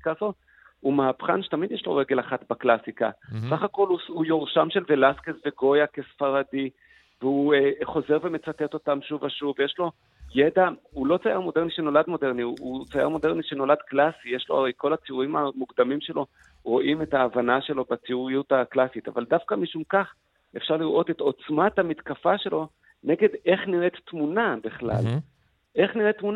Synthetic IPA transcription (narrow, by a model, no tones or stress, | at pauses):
kazo | umeapχa̰nʃe̥t̪amid̪jeʃlo̞̰ʁeɡe̞laχatbaklasikasaχako̞luujoʁʃamʃelve̞laskesveɡo̞jake̞sfaʁadi | veueχo̞ze̞ʁve̞me̞t͡sat̪et̪o̞tamʃuvaʃuvjeʃlo̞ | jed̪aulo̞t͡sajaʁmo̞deʁniʃeno̞ladmo̞deʁniut͡saja̰ʁmo̞deʁniʃe̞no̞lad̪klasijeʃloa̰ʁejko̞lat͡siuʁimamuɡd̪amimʃe̞lo̞ | ʁo̞ʔime̞taːvanaʃe̞lo̞bat͡siuʁijutaklasita̰vald̪afkamiʃumkaχ | efʃaʁliʁʔo̞teto̞t͡smat̪hamit̪kafaʃe̞lo̞ | ne̞ɡe̞d̪e̞χniʁetːmunabiχla̰l | ʔe̞χniʁet̪ːmun